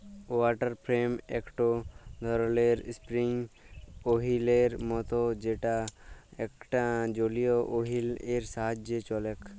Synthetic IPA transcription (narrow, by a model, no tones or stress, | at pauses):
waʈəɾpʰɾemekʈod̪ʱɔɾleɾspɾiŋ | oɦileɾmɔt̪ɔd͡ʒeʈaɛkʈad͡ʒolijɔʔoɦileɾsaɦad͡ʒet͡ʃɔlɛk